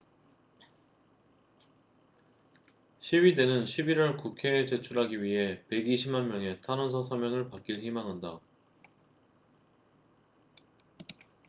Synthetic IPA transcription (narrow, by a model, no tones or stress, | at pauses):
ɕʰiwɥide̞nɯnɕʰibiɾʌɭkukʰe̞ːt͡ɕe̞t͡ɕʰuɾɦaɡiɥiɦe̞pe̞ɡiɕʰimanmjʌŋe̞tʰanʌns̬ʰʌs̬ʰʌmjʌŋɯɭpak͈iɭçimaŋɦanda